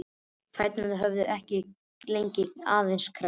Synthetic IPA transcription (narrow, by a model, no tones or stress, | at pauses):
kfajt̪naðɪɦœvðʏʔɛhcɪ | lejɲcɪnaːðejnskʰɾa